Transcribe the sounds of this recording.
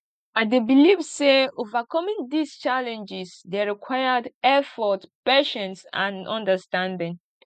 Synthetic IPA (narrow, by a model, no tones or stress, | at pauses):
aɪdebilivseovakɔmĩŋd̪ist͡ʃalɛ̃nd͡ʒɪsdeɹikʰwajədɛfɔtpɛʃɔ̃nsã̰nɔ̰̃ndəstãndɪ̃ŋ